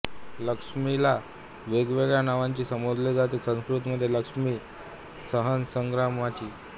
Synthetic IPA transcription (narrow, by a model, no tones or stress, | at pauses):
ləkʂmila | ʋeɡʋeɡɭjanaʋaɲt͡ɕiːsəmod͡z̪led͡zʱat̪iːsə̃skɾut̪məd̪ʱːjeləkʂmiː | səɦənsəŋɡɾamat͡ɕiː